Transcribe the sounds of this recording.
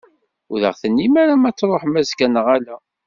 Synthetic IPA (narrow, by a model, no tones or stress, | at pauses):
ʊðə̰ʁθənːimæɾamæt͡sːɾˤoħmæzkænəʁælæ